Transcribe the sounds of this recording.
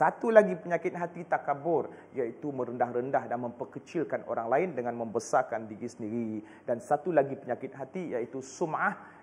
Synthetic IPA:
sat̪ulaɡipəɲakɪt̪̚ɦat̪it̪akabʊr | jait̪umə̃ɾəndahɾəndahdanmə̃mpərkət͡ʃɪlkano̰ɾaŋlaɪndəŋãnmə̃mbəsakandiɾisəndiɾi | dansat̪ulaɡipəɲakɪt̪̚ɦat̪ijait̪usumah

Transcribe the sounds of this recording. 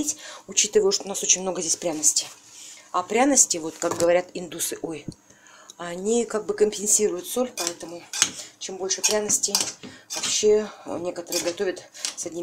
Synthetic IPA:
etʲʊt͡ɕit̪ɨvəjʊʂt̪oʊnaso̞t͡ɕɪnʲmno̞ɡəzʲdʲesʲpɾʲanəsʲtʲɪ̥ | ɐpɾʲanəsʲtʲɪvo̞t̪kak̚ɡəvɐɾʲat̪ɪnd̪usɨʔoj | ɐnʲikaɡ̚bɨkəmʲpʲɪnʲsʲiɾʊjʊt̪so̞lʲpɐɛt̪əmʊt͡ɕembo̞lʲʂɨpɾʲanəsʲtʲɪjvɐpɕːe̞nʲe̞kət̪əɾɨjəɡɐt̪o̞vʲət̪sɐdʲnʲi

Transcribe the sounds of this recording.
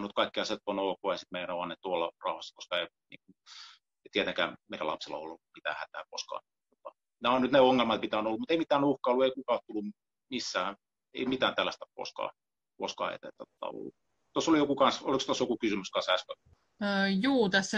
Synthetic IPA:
nut̪kɑikːiɑset̪ponoːkoesit̪meiænoɑnnet̪t̪uolːɑ̰rɑuhɑsːɑ̥koskɑei | nḭːŋkun | et̪iet̪eŋkæ̰ːmeiɾælɑ̰pselːɑ̰o̰lːumit̪æ̰ːhæt̪æ̰ːko̰skɑ̰ːn | t̪ot̪ɑ | næonnyt̪neoŋːelmɑt̪mit̪æːnolːumut̪eimit̪æːnuhkɑolːueikukɑˑot̪t̪ulːu | misːæː | ḛimit̪æːnt̪ælːæst̪ækko̰skɑ̰ː | koskɑ̰ḛt̪æ̰t̪ːæt̪ot̪ɑ̰o̰lːu | t̪osːolijokukɑnsolikst̪osjokukysymyskɑnsæskø | juːt̪æsːæ

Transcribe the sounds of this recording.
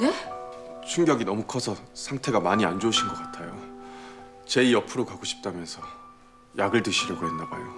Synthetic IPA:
e | t͡ɕʰuŋɡjʌɡinʌmukʰʌsʰʌsʰaŋtʰe̞ɡamaɲiand͡ʑouɕʰinɡʌk͈atʰajo | t͡ɕe̞iʌpʰɯɾokaɡoɕʰi̥p̚t͈amjʌnsʰʌ | jʔaɡɯɭtɯɕʰiɾʌɡoɦenːabajo

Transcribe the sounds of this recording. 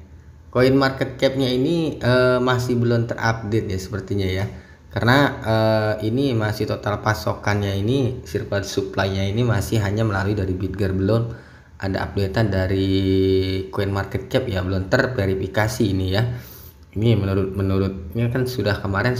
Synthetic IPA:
koinmarkɛt̪̚kɛp̚ɲainiəmasɪhbəlʊmt̪ərʔa̰p̚det̪̚jasə̥pərt̪iɲaja | karənaəinimasɪht̪ot̪alpasokanɲainisirpadsuplajɲainimasɪhɦaɲaməlaluidaɾibit̚ɡərbəlʊm | ʔada̰ʔa̰p̚det̪adaɾi | koinmarkɛt̪̚kɛp̚jabəlʊmt̪ərpeɾifikasiːnija | inimənuɾʊt̪̚mənuɾʊt̪̚ɲakansudahkəmaɾɛn

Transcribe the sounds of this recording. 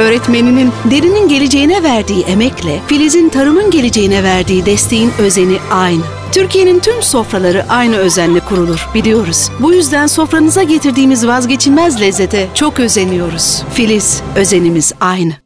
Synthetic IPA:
ø̞ːɾɛt̪me̞ninind̪e̞ɾininɟe̞lʲed͡ʒe̞jinɛvæɾd̪iːʔe̞mɛclʲɛfilʲizint̪ʰaɾɯmɯnɟe̞lʲed͡ʒe̞jinɛvæɾd̪iːd̪ɛst̪ʰe̞jinø̞ze̞niajnɯ | t̪ʰyɾcije̞nint̪ʰymso̞fɾalˠaɾɯʔajnɯø̞zænlʲikʰuɾulˠuɾ̥bilʲijo̞ɾuz̥bujyzd̪ænso̞fɾanɯzaɟe̞t̪ʰiɾd̪iːmizvazɟe̞t͡ʃʰilʲmɛzlʲɛzːe̞t̪ʰɛt͡ʃʰo̞kø̞ze̞nijo̞ɾuz̥filʲisø̞zenimiz̥ajnɯ

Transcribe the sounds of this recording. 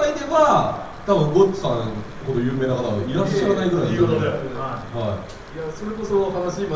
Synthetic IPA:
id̪e̞βa | t̪abɯ̟̃ŋɡotːsãŋ | ho̞d̪o̞jɯ̟ːme̞ːnakat̪aβiɾaɕɕːaɾanaiɡɯɾaiehai | jaso̞ɾe̞ko̞sohanaɕiːma

